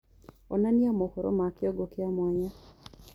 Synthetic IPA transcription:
onanjamokoɾo̰makjɔɡokɪamwaɲa

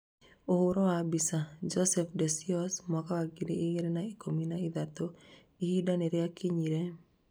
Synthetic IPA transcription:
ohʊɾɔabisad͡ʒɔsɛfdesiɔsmɔkaaɡiɾiːɣeɾenaikominaid̪at̪o | ihidaneɾɛakiɲiɾe

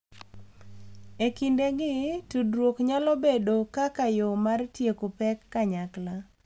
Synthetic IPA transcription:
ekindeɡɪtudɾwokɲalɔbedokakajomartjekopɛkːaɲakla

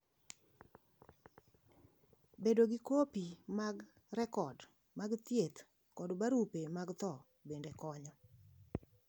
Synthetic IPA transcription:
bedoɡikopimaɡ | rɛkɔd | maɡt̪jet̪ | kɔdbaɾupemaɡt̪ɔ | bendekɔɲɔ

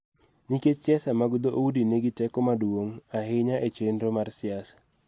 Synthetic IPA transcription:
niket͡ʃsɪasamaɡd̪oʔoudineɡitɛkɔmadwoŋahɪɲaʔet͡ʃenɾomarsɪasḁ

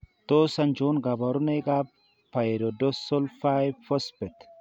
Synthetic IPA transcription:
t̪ʼoːsːɐnd͡ʒoːnɡɐbɐɾʊnɛjkʼaː | pɐjɛɾɔd̪ɔsɔlfajfɔspːɛt̪

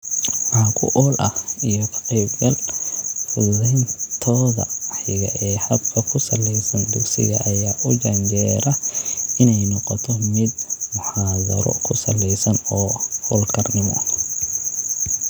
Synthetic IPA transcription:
ʕaːkʰʊ̰ʔɔːlʔɐhijɔkʰɑ̥qiːb̚ɡɐlfʊðɛjnt̪ʰɔːðɐ̰ɑħjɪɣɐ̰ʔɛːhɐd̪kʰɐkʰʊsɐlɛjsɐnd̪ʊɡsɪ̰ɣɐ̰ʔɐjaːʔʊd͡ʒɐɲd͡ʒɛːɾɐɪnɛjnɔqɔt̪ʰɔmɪd̪mʊħaːðɐ̰ɾɔ̰kʰʊsɐlːɛjsɐnɔːhɔːlkʰɐrnɪmɔ̰

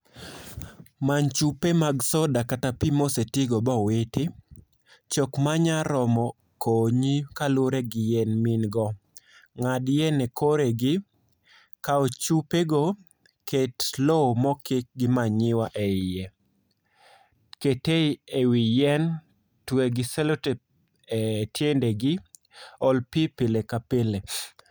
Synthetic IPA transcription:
mant͡ʃupemaɡsɔdakatapimosetiɡɔbɔwɪtɪ | t͡ʃɔkmaɲaɾɔmɔ | koɲikaloɾeɡɪjɛnmɪnɡɔ | ŋadjɛnekoɾeɡɪ | kaot͡ʃupeɡo | ketlomɔkɪk̚ɡɪmaɲɪwaʔeɪjɛ | keteiewijɛn | tweɡɪselote | etjendeɡɪ | ɔlpipɪlekapele

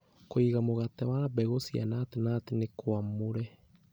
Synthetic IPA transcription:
koiɣamoɣatɛwaɾabɛɣosia̰natenat̪enekwamoɾɛ

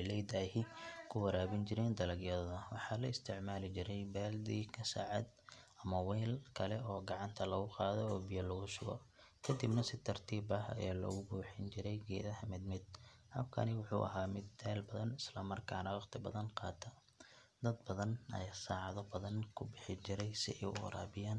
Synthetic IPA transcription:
jlɛjd̪aːɦɪkʰʊwɐɾaːβɪnt͡ʃɪɾɛːnd̪ɐlɐɡjɐðɐðɐwɑħɑːlɐɪst̪ʰɪʕmaːlɪt͡ʃɪɾɛjbɛːld̪iːkʰɐsa̰ːʕɑd̪ʔɐmɐwɛːlkʰɐlɛɔːɡɑʕɑnt̪ʰɐlɐɣʊqɑːðɔɔːbijɐlɔɣʊʃʊɣɔ̰kʰɐd̪ɪbnɐsɪt̪ʰɐrt̪ʰiːbɐɦɐ̰jaːlɔ̰ːɣʊbuːħɪnt͡ʃɪɾɛjɡɛ̰ːðɐɦɐmɪd̪mɪd̪̚hɐ̰b̚kʰɐ̰nɪwʊħṵːʔɐ̰ɦaːmɪd̪ɛːlbɐðɐnɪslɐmɐrkʰaːnɐwɑqt̪ʰɪbɐðɐnqɑːt̪ʰɐ | d̪ɐd̪̚bɐðɐnʔɐ̰jasaːʕɑðɔbɐðɐnkʰʊbɪħɪt͡ʃɪɾɛjsɪ̰ʔɛ̰ɾa̰ːbɪjaːn

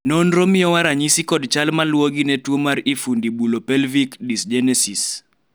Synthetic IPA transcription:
nonɾomɪjɔwaɾaɲisikɔdt͡ʃalmalwoɡinɛtwomaɾifundibulopɛlvikdisd͡ʒɛnɛsis

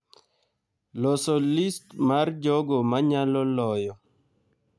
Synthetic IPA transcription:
lɔsɔlistmard͡ʒɔɡɔmaɲalɔlɔjɔ

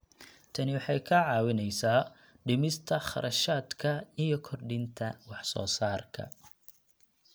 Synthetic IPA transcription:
t̪ʰɐnɪwɑħɑjkʰɐʕɑːwɪnɛjsaː | ɖɪmɪst̪ʰɐχɑ̰ɾʔɐʃaːd̪kʰɐijɞkʰɔrɖɪnt̪ʰɐwɑħsɔ̰ːsaːrkʰɐ̰

